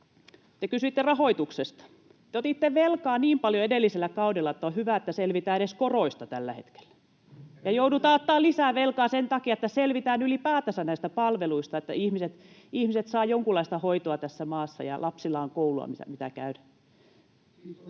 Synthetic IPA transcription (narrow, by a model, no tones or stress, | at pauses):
t̪ekysyit̪ːerɑhoit̪uksest̪ɑ̥ | t̪eot̪it̪ːeʋelkɑːniːmpɑljoedelːiselːækɑudelːɑet̪ːæohyʋæˑet̪ːæselʋit̪æːeɾeskoroist̪ɑt̪ælːæhḛt̪ke̥lːæ̥ | jɑjoudut̪ɑːot̪ːɑːlisæːʋelkɑːsent̪ɑkiɑet̪ːæselʋit̪æːnylipæːt̪æsænæist̪æpɑlʋeluist̪ɑet̪ːæ̰ihmiset̪ihmiset̪sɑːjoŋkulːˑɑist̪ɑhoit̪oɑt̪æsːæmɑːsːɑ̰jɑ̰lʔɑpsilːˑɑːŋkouluɑ̰misæ̰mit̪æ̰kæ̰ynæ̥